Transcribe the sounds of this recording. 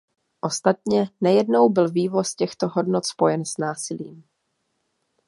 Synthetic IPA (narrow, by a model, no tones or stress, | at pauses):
ʔo̞st̪at̪̚ɲɛnajɛdno̞wbɪlviːvo̞scɛxt̪oɦo̞dnot̪spo̞jɛnsnaːsɪlḭːm